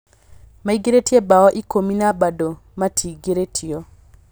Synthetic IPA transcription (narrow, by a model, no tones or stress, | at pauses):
maiɡeɾetiebaɔʔikominabado | matʰiɡeɾetʰiɔ